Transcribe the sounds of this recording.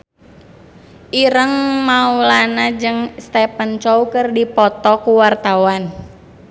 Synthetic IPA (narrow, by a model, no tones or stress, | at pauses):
ʔiɾəŋmaulanad͡ʒɨŋst̪ɛpənt͡ʃɔukɨrdipɔt̪ɔkuwart̪awan